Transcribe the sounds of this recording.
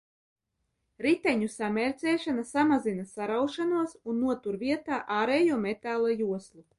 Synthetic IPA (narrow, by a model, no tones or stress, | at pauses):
ɾit̪ɛɲusamʲɛɾʲt̪sʲɛːʃanasamazinasaɾawʃanuɔsunːuɔt̪uɾviɛt̪aːʔaːɾeːjuɔmet̪aːlˠajuɔslˠu